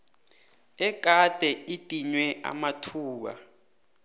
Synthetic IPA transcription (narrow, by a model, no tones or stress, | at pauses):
ɛk̬ʼatʼɛitʼiɲwɛʔa̰matʰuːɓa̰